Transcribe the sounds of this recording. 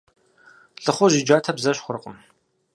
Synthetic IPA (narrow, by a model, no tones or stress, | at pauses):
ɬʼɨχʷɔʒɪd͡ʒaːtʰɐbzɐɕχʷʊɾɨqʼəm